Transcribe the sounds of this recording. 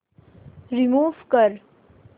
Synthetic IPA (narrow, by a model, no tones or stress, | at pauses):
ɾimuːʋkəɾ